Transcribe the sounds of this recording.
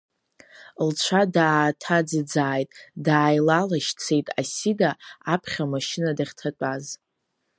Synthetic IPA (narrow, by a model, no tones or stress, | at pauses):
lt͡ʃʷʰadaːtʰad͡zɨd͡zaːjtʼdaːjlalaʃt͡sʰe̞jtʼasidaːpʰχʲamaʃɪnadaχʲtʰat͡pʷʼaz